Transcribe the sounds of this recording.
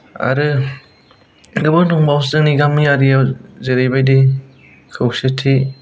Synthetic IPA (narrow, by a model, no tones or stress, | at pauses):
a̰ɾɯ | ɡɯbɯŋtʰɔŋbawstɯŋniɡamːijaɾijawzeɾejbajdi | kʰɯwsetʰi